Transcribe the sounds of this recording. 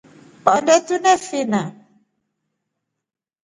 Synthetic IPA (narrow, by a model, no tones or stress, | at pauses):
pɔnɖɛt̪unɛ̃finã